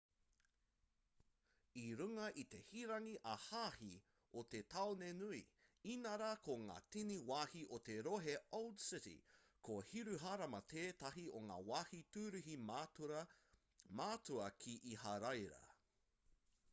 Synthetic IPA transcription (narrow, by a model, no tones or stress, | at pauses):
iɾuŋɐʔit̪e̞hiɾɐŋiʔɐhaːhi | ot̪et̪ʰɐonenuiinɐɾakʰoŋa̰ːtiniwaːhiʔot̪eɾoɦeoldsɪɾḭ | kʰohiɾuɦaɾɐmɐt̪ʰeːt̪ɐɦioŋa̰ːwaːhit̪ʉːɾʉɦi | maːtuɐkʰiʔihɐɾɐjɾɐ̰